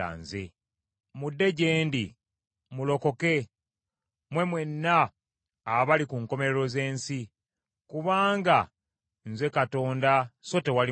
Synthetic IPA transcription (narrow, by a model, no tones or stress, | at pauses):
a̰ːnzḛ | mudːe̞ɟeːndi | mulo̞ko̞ke̞ | mwe̞mwe̞nːaː | βalikuŋko̞me̞ɾeɾo̞ze̞ːnsi | kuβaːŋɡa | nzwe̞kato̞ːndaso̞te̞wali